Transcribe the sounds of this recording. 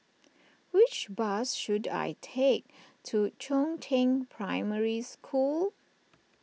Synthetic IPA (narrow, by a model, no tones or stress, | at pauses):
wɪt͡ʃbasʃuda̰jtʰek̚tʰut͡ʃʰõntʰɪ̃ŋpʰɹaɪməɹiskʰul